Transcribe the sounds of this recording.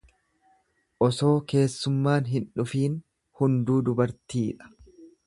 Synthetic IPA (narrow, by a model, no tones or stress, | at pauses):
ʔɔso̞ːke̞ːsːʊmːaːnɦɪnᶑʊfiːn | hʊnd̪uːd̪ʊbɐɾt̪iːᶑɐ̥